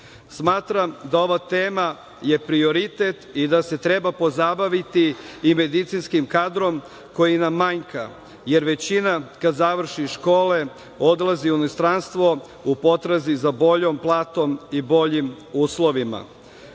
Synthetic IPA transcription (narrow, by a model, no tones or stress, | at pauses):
smaːt̪ɾamd̪ao̞ʋat̪e̞ːma | je̞pɾio̞ɾit̪et̪id̪ase̞t̪ɾe̞bapo̞zabaʋit̪iːme̞d̪it̪sinskimkad̪ɾo̞m | ko̞jinaːaɲka̰ | je̞ɾʋe̞t͡ɕinakad̪zaʋr̩ʃiʃko̞ːle̞ | o̞d̪lˠaziunist̪ɾanst̪ʋo̞ | upo̞t̪ɾazizabo̞ʎo̞mplˠaːt̪o̞mibo̞ʎim | uːslo̞ʋima̰